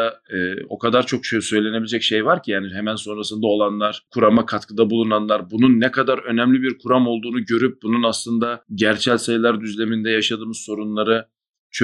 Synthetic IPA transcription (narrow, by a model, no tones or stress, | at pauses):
aːo̞̰kʰad̪aɾt͡ʃʰo̞kʃøsøjlʲe̞ne̞bilʲd͡ʒɛcʃejvaɾcʰijaːniɦɛmænso̞nɾasɯnd̪ao̞lˠanlˠaɾ̥kʰuɾamakʰat̪kʰɯd̪abulˠunanlˠaɾbununːɛkʰad̪aɾø̞nɛmlʲibiɾkʰuɾamo̞lˠd̪uːnuɟø̞ɾyp̚bununaslˠɯnd̪aɟæɾt͡ʃʰælʲsajlˠaɾd̪yzlʲe̞mind̪ɛjaʃad̪ɯːmɯzso̞ɾunlˠaɾɯ | t͡ʃʰø